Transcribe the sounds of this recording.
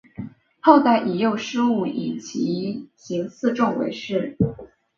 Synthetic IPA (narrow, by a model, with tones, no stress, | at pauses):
ho˥˧ʊt̪a˧˩ɪʔi˨˩jo˥˩ʊʂɻ̩˥u˥˩ḭ˨˩nt͡ɕʰi˧˥ɕi˧˥ŋsɹ̩˥˧ʈ͡ʂʊ˥˩ŋwḛ˧˥ɪʂɻ̩˥˩